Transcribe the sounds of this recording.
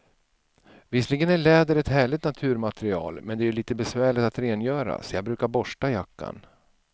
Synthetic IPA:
vɪslɪɡənæɭɛːd̪əɾɛt̪hæːɭɪt̪nat̪ʰʉ̟ːɾmat̪ɾɪɑ̰ːlmɛnd̪ɛæjɵliːt̪əbɛsvæːɭɪt̪at̪ɾeːnjœːɾa̰sɔjɑːɡbɾʉ̟ːkaɾbɔʂʈajakːa̰n

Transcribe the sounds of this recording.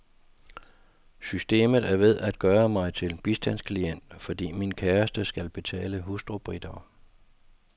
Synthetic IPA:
sysd̥e̝̰ːmð̞̩ˠæɐʋe̝ðˠæd̥̚ɡ̥ɶːɐmɑ̈ɪt͡sʰe̝lb̥isd̥æn̰skʰlien̰d̥fɒ̽d̥ḭːminkʰæːɐsd̥əsɡ̥ælb̥e̝t͡sʰɛ̰ːləɦusd̥ʁob̥ʁid̥ɐː

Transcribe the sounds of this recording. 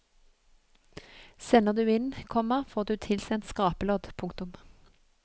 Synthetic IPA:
sɛnəʁd̪ʉːɪnkʰɔməfoːʁd̪ʉːt̪ʰɪlsɛnt̪skɑːpəloːd̪pʰʊŋkt̪ʊm

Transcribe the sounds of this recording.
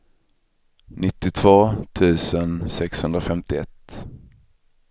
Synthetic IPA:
nɪt̪ːɪt̪ʰv̥oːt̪ʰʉ̟ːsənsɛkshɵnd̪ɾafɛmt̪ɪɛ̰t̪ː

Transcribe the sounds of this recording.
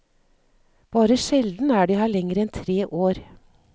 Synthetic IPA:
b̥ɑːɾəʃɛld̪n̩æːɖiːhæːɭɛŋəɾɛnt̪ʰɾeːʔoːɾ

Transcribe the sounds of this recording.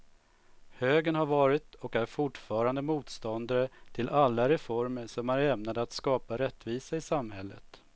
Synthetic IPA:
høːɡənhaɾvɑːɾɪt̪ɔkæɾfʊʈfɑːɾand̪əmuːt̪st̪ɔnd̪aɾət̪ʰɪlʔalːaɾɛfɔɾməʂɔmæɾɛmnad̪əat̪skɑːpaɾɛt̪ːviːsaɪsamhɛlːə̰t̪

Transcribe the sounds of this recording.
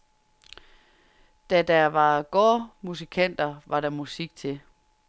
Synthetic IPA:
d̥æd̥æʋɑ̈ɡ̥ɔːmus̬ikʰæn̰d̥ɐʋɑ̈ɾɑmusiɡ̥̚t͡sʰe̝

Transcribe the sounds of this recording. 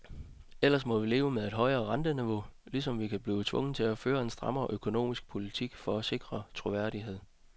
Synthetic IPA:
el̰ɐsmɒ̽ʋile̝ːʊəmeðˠe̝d̥ɦɒ̽ɪɐːʁɑ̈nd̥əniʋo̝̰lis̬ɒ̽mʋikʰæb̥liːt͡sʰʋɔ̽ŋ̰n̩t͡sʰe̝æføːɐe̝nsd̥ʁɑ̈mɐːʔøkʰo̝no̝̰ːmisɡ̥̚pʰo̝lit͡sʰiɡ̥fɒ̽æse̝ɡ̥ʁɐt͡sʰʁo̝ʋæɐ̰ɾ̥iɦe̝ð̞̰ˠ

